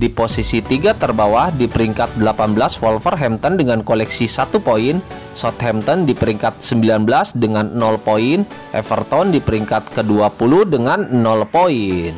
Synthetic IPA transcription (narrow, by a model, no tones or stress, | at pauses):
diposisit̪iɡat̪ərbawahdipəɾiŋkat̪̚dəlapanbəlaswɔlfərɦɛmt̪ɔndəŋankolɛksisat̪upoin | sɔt̪̚hɛmt̪ɔndipəɾiŋkat̪̚səmbilanbəlasdəŋanːɔlpoin | ʔɛ̰fərt̪ɔndipəɾiŋkat̪̚kəduapuluhdəŋanːɔlpoin